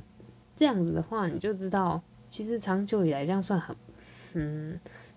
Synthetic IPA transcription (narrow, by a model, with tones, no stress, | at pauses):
ʈ͡ʂɤ˥˧jɑ˥˩ŋd͡zɹ̩˨˩d̪ə˩xwa˥˩ni˨˩t͡ɕjo˥˩ʊʈ͡ʂɻ̩˥t̪ɑ˥˩ʊ | t͡ɕʰi˧˥ʂɻ̩˧˥ʈ͡ʂʰɑ˧˥ŋt͡ɕjo˧˥ʊi˨˩la˧˥ɪt͡ɕjɑ˥˧ŋswa˥˩nxə˨˩˦nn̩˥˩